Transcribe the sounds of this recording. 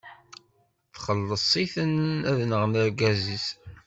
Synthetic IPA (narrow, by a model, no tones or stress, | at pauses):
θχəlːəsˤːiθənæðnəʁnəɾɡæzis